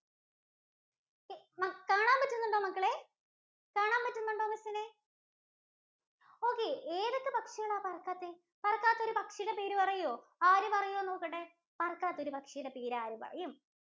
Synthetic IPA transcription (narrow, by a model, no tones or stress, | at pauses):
mɐkaːɳaːmpɐtːunːuɳɖo̞ːmɐkːɐɭe | kaːɳaːmpɐtːunːuɳɖo̞ːmɐsɐne | o̞ːkːeeːðɐkːɨpɐkʂɐɣɐɭaːpɐrɐkːaːt̪ːe | pɐrɐkːaːt̪ːo̞ɾupɐkʂɐjɾepeːɾupɐrɐjoː | aːɾupɐrɐjoenːoːkːɐʈːe | pɐrɐkːaːt̪ːo̞ɾupɐkʂɐjuɽepeːɾaːɾupɐ̰rɐ̰jum